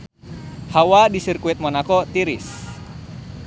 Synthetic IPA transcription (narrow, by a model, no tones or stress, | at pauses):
hawadisɨrkuit̪̚mɔnakɔt̪iɾɪs